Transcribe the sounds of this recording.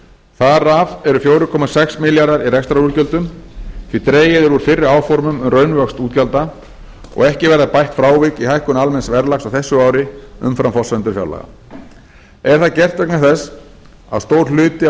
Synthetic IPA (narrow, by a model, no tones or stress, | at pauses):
θaɾavɛɾʏfjoːwɾʏkʰɔmasɛksmɪljaɾðaɾirɛkst̪ɾaulcœlt̪ʏmθʰvit̪ɾeːjɪðɛɾuɾ̥fɪrːɪaːwfɔɾmʏmʏmrœɥnvœkst̪uːt̪calt̪a | ɔ̰ɣɛhcɪvɛɾðapajht̪fɾaːwvɪkihajhkʏnalmɛnsvɛɾlakxsawθɛsːʏaːwɾɪʏ̰mfɾamfɔ̥sɛnt̪ʏɾfja̰wla̰ɣa̰ | ɛɾ̥θaðcɛr̥t̪vɛknaθɛsː | a̰ðst̪owɾ̥lʏːt̪ɪ